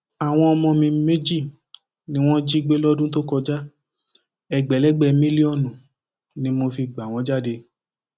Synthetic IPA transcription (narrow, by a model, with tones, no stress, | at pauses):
a˨w̃ɔ̃˧ɔ˧mɔ̃˧mĩ˧˦me˦d͡ʒi˦˨ | nĩ˧˦w̃ɔ̃˦d͡ʒi˦ɡ͡be˦lɔ˦dũ˦t̬o˦kɔ˧d͡ʒa˦ | ɛ˧˨ɡ͡bɛ˨lɛ˦ɡ͡bɛ˧mĩ˦li˦ɔ˦˨nũ˨ | nĩ˦mo˧fi˧ɡ͡ba˨w̃ɔ̃˨˦d͡ʒa˦˨de˧